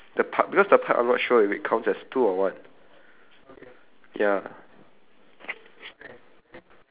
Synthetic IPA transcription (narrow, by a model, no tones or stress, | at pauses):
dəpʰak̚bikɔsdəpʰakã̰nɔ̰tʃoifit̚kʰãʊ̃ntsɛstʰuɔwãn | ja